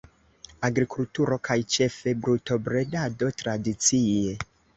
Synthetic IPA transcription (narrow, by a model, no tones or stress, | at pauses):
aɡɾikultuɾo̞kʰajt͡ʃe̞fe̞bɾuto̞bɾe̞dado̞tɾadit͡sie̞